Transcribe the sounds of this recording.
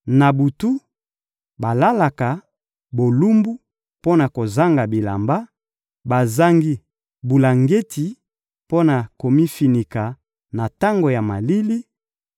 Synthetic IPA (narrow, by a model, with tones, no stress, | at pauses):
na˨bu˨tu˦ | ba˨la˦la˨ka˨ | bo˨lu˦mbu˦ | po˦na˨ko˨za˦ŋɡa˨bi˨la̰˨mba˦ | ba˨za˦ŋɡi˦ | bu˨la˨ŋɡe˦ti˨ | po˦na˨ko˨mi˦fi˨ni˨ka˨ | na˨ta˦ŋɡo˨ja˨ma˨li˦li˦